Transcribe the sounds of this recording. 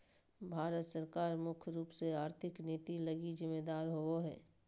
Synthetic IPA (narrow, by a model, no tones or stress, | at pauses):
bʱaːɾət̪səɾkaːɾmʊkʰjɾuːpseaːɾt̪ʰɪkneːt̪iləɡizɪmːeːd̪aːɾɦooɦɛː